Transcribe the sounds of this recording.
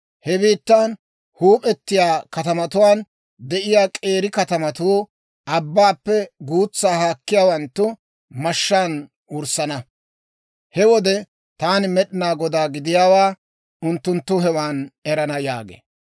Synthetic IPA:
hɛbiːt̪ːan | huːpʼɛt̪ːɪjaːkɐt̪ɐmɐt̪ʊwaːn | d̪ɛʔɪjaːkʼe̞ːɾɪkɐt̪ɐmɐt̪uː | ʔɐbːaːpːɛɡuːt͡sːaːhaːkːɪjaːwɐnt̪ːʊ | mɐʃːaːn | ʊɾsɐnɐ | hɛwɔd̪ɛ | t̪aːnmɛɗɪnaːɡɔd̪aːɡɪd̪ɪjaːwaː | ʊnt̪ːʊnt̪ːʊɦɛwaːnɛɾɐnɐja̰ːɡḛː

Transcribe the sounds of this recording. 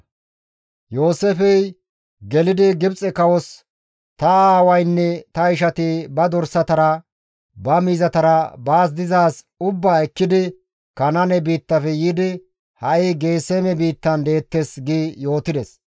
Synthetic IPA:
jo̞ːsefɛj | ɡɛlɪd̪ɪɡɪbt͡sʼɛkɐwɔs | t̪ɐaːwɐjnːɛt̪ɐɪʃɐt̪ɪbɐd̪ɔɾsɐt̪ɐɾɐ | bɐmiːzɐt̪ɐɾɐbaːs̬d̪ɪzaːs | ʊbːaːɛkːɪd̪ɪ | kɐnɐnɛbiːt̪ːɐfɛjid̪ɪ | hɐʔɪɡe̞ːseːmɛbiːt̪ːɐnd̪e̞ːt̪ːesɡiːjo̞ːt̪ɪd̪ɛs

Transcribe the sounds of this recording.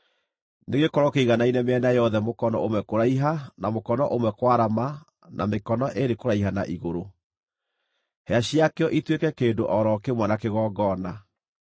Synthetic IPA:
neɣekɔɾɔkeiɣanainɛmeɛnajɔðɛmokɔnɔ̰omwɛkoɾaiɦanamokɔnɔʔomwɛkwaɾama | nʔa̰mekɔnɔʔeɾekoɾaiɦana̰ʔiɣoɾo | heaɕjakeɔʔitwekɛkeːndoʔɔɾɔkemwanakeɣɔːɡɔːna

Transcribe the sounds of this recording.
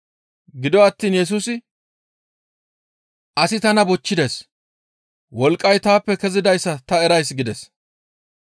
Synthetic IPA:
ɡɪd̪ɔɐt̪ːiːnjɛs̬uːsɪ | ʔɐsɪt̪ɐnɐbɔt͡ʃːɪd̪es | wɔlkʼːɐjt̪aːpːɛkɛzɪd̪ɐjsːɐt̪ɐɛɾɐjsɡɪd̪ɛs

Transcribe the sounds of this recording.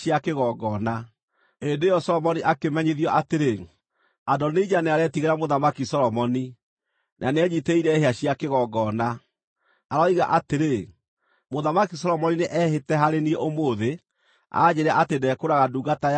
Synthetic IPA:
iakeɣɔɡɔːna | endeːjɔsɔlɔmɔniʔakemɛɲeðiɔʔateɾe | adɔned͡ʒaneaɾɛtiɣeɾamoðamakisɔɾɔmɔni | nʔanɛɲiteiɾɛheaɕiakeɣɔɡɔna | aɾɔiɣa̰ʔateɾe | moðamakisɔlɔmɔnineʔɛɦetɛɦaɾenieomoːðe | a̰ːd͡ʑeɾaʔatendɛkoɾaɣaduɡata

